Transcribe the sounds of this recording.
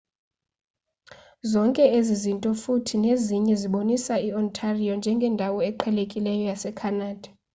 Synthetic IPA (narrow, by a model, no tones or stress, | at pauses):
zɔŋkʼɛezizintʼɔfutʰineziɲɛziɓonisaiɔntʰʼariɔnd͡ʒʱɛŋɡʱɛndʱawɔɛǃʰɛlekʼilɛjɔjasɛkʰanaːd̥ʱḁ